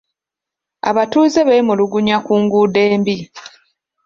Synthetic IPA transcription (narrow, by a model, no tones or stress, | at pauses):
a̰βatuːzeβeimuluɡuɲakuːŋɡuːdeːmbi